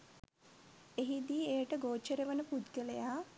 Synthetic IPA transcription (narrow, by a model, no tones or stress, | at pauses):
eɦid̪iːejəʈəɡoːt͡ʃːəɾəʋənəpud̪ɡəlejaː